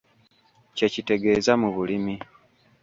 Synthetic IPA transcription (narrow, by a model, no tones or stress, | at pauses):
ce̞cite̞ɡe̞ːzamuβulimi